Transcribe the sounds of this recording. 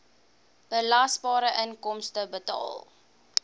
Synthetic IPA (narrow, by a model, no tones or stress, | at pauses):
b̥əlɐsbɑːɾəʔənkɔmstəbətɑ̰ːlˠ